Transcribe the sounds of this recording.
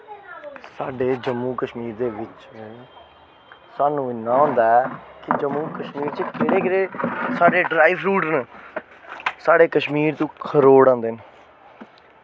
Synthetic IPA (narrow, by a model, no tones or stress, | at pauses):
saːɖeːd͡ʒəmːuːkəʃmiːɾd̪eːʋɪt͡ʃ | saːnũːɪnːaːõːnd̪aːɛkɪd͡ʒəmːũːkəʃmiːɾt͡ʃəkɪɾeːkɪɾeːsaːɖeːɖɾaːiʋɾuːʈn | saːɖeːkəʃmiːɾt̪ũːkʰəɾoːɽãːnd̪eːn